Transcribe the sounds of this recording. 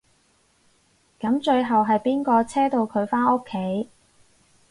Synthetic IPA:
kɐ˨˥mt͡ʃɵ˧ɥɦɐ˨wɦɐ˨jpiː˥nkɔː˧t͡sʰɛː˥t̪o˧wkʰɵ˨˧ɥfaː˥no˥kʰːe˨˥j

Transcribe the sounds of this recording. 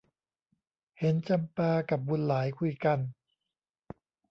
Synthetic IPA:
he˩˦nt͡ɕa˧mpaː˧ka˨˩p̚bu˧nlaː˩˦jkʰu˧jka˧n

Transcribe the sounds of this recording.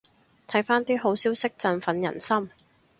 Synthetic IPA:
t̪ʰɐ˨˥jfaː˥nt̪iː˥ɦo˨˥wsiː˥wsɪ˥k̚t͡sɐ˧nfɐ˨˧˥njɐ̰˨˩nsɐ˥m

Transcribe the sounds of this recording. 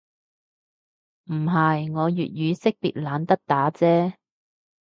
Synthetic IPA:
m̩˨˩ɦɐ˨jŋɔː˨˧jy̰ː˨t̚jyː˨˧sɪ˥k̚pḭ˨t̚laː˨˧nt̪ɐ˥k̚t̪aː˨˥t͡sɛː˥

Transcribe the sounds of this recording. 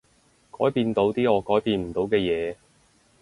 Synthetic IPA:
kɔː˨˥jpiː˧nt̪o˨˧wt̪iː˥ɔː˨˧kɔː˨˥jpiː˧nm̩˨˩t̪o˨˧wkɛː˧jɛː˨˧

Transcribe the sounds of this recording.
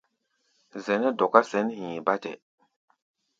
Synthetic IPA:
zɛ˨nɛ˦dɔ˨ka˦sɛ˨˦nhĩː˨ba˦tɛ̰˨

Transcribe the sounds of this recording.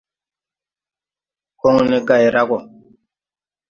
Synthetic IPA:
ko˦ŋni˦ɡa˨jɾa˦kɔ˨

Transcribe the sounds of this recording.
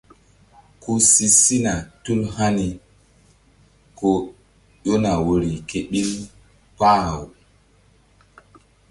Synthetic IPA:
ku˦si˦si˦na˨tu˦lha˦ni˨ | ko˦ | jo˦na˨wo˨ɾi˨ke˨ɓi˦l | pa˦˨w

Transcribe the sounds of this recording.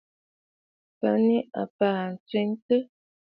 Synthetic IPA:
pə̰˨˦ni˦a̰˨paː˨n̩˨t͡swi˦ŋtə˦

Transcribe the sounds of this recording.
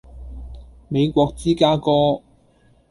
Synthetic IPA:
me˨˧jkʷɔː˧k̚t͡siː˥kaː˥kɔː˥

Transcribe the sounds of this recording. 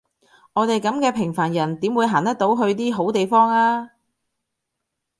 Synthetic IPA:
ŋɔː˨˧t̪e˨jkɐ˨˥mkɛː˧pʰɪ˨˩ŋfaː˨˩njɐ˨˩nt̪iː˨˥mwu˨˧jɦaː˨˩nt̪ɐ˥t̚t̪o˨˥wɦɵ˧ɥt̪̬iː˥ɦo˨˥wt̪e˨jfɔː˥ŋaː˥

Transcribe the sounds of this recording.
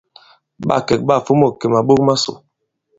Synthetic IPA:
ɓa̰˦˨kɛ˨k̚ɓa˦˨fo˦mo˦˨ke˨ma˨ɓo˦k̚ma˦so̰˨

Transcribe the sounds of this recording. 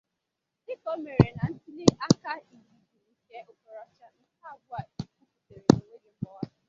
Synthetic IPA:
dɪ˦kɔ˦me˨ɾe˨na˨n̩˦ti˦li˦ʔa˦ka˦i˨ɡi˦di˨n̩˦ke˦ʔo˨kɔ˨ɾɔ˦t͡ʃa˦n̩˦ta˦bʊ˦a˨i˨ku˦ku˨te˨ɾe˨no˨ŋʷe˦e˨m̩˦mɔ˦

